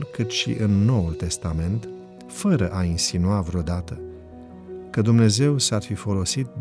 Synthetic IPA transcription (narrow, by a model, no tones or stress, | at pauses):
lkɨt̪ʃḭʔɨnːo̞wult̪e̞st̪ame̞nt̪ | fəɾəʔainsinuavɾeo̞d̪at̪ə | kəd̪umne̞ze̞wsarfifo̞lo̞sit̪̚d̪